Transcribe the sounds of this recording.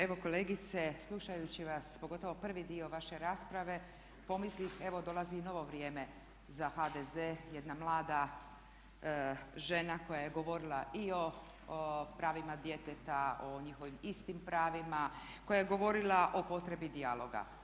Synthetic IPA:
e̞ʋo̞ko̞leːɡit̪se̞slˠuʃajut͡ɕiʋaspoɡo̞t̪o̞ʋo̞pr̩ʋid̪io̞ʋaʃe̞ɾaːspɾaʋe̞ | po̞mislixe̞ʋo̞d̪o̞lˠazino̞ʋo̞ʋɾijeːme̞ | zaxad̪ezeje̞d̪namlˠaːd̪a | ʒe̞nako̞jaje̞ɡo̞ʋo̞ɾilˠaʔio̞ | pɾaːʋimad̪je̞t̪et̪aoɲixo̞ʋimist̪impɾaːʋima | ko̞jaje̞ɡo̞ʋo̞ɾilˠaʔo̞po̞t̪ɾe̞bid̪ialˠo̞ɡa̰

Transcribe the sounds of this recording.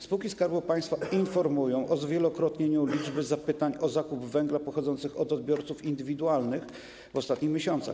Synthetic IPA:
spuwkʲiskaɾbupaj̃st̪fainfɔɾmujɔ̃w̃ʔɔzvʲjɛlɔkɾɔt̪ɲeɲulʲid͡ʐbɘzapɘt̪aɲɔzakubvɛŋɡlapɔxɔd̪zɔnt̪sɘxɔd̪ɔd̪̚bʲjɔɾt̪sufind̪ɘvʲid̪ualnɘx | vɔst̪at̪ɲixmʲeɕɔnt̪sa̰x

